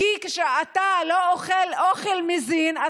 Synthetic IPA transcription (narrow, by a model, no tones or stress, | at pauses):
ikʃeat̪alooχeloχelmizina